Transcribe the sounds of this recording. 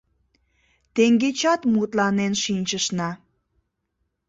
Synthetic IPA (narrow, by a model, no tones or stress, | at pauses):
t̪eŋɡet͡ɕɑt̪mut̪lɑnenʃinʲt͡ɕəʃnɑ